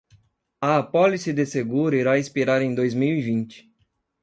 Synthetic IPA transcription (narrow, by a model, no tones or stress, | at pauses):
ɐːpɔlisɪd̪eseɡuɾʊiɾaĩspiɾaɾẽj̃d̪ojzmiwivĩnt͡ʃɪ̥